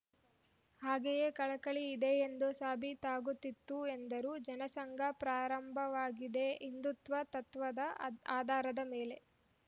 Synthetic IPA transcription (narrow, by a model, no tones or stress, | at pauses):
haːɡejekɐɭɐkɐɭiːd̪eːnd̪osaːbʱit̪aːɡut̪ːit̪ːuend̪ɐɾuːd͡ʒɐnɐsɐŋɡʱɐpɾaːɾɐmbʱɐʋaːɡid̪e̞ind̪ut̪ʋɐt̪ɐt̪ʋɐd̪ɐaːd̪ʱaːɾɐd̪ɐmeːle̞